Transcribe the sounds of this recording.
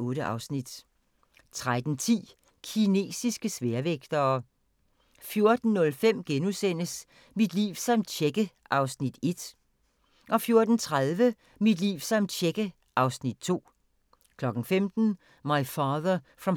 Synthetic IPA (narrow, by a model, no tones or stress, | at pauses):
ɔ̽ːɾəʔɑ̈ʊsnid̥ | t͡sʰʁad̥n̩t͡sʰḭː | kʰine̝̰ːsisɡ̥əsʋeɐʋeɡ̥d̥ɐː | fjo̝ɐd̥n̩ːɔ̽lfem̰ɡ̥enusen̰əs | mid̥lḭːʊsɑ̈md̥ɕʰeɡ̥əʔɑ̈ʊsnid̥e̝d̥ | ʔɒ̽fjo̝ɐd̥n̩t͡sʰʁaðˠʋə | mid̥lḭːʊsɑ̈md̥ɕʰeɡ̥ə | ʔɑ̈ʊsnid̥̚t͡sʰo̝̰ː | kʰlɒ̽ɡ̥n̩femd̥n̩ | mɑ̈ɪfɑːðɐfʁɑm